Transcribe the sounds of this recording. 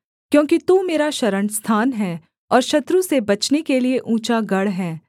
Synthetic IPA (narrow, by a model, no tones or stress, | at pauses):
kjõːkit̪uːmeːɾaʃɐɾəɳst̪ʰaːnɦɛː | ɔːɾʃɐt̪ɾũsebɐt͡ʃnekelieʔũːt͡ʃaɡɐɽɦɛː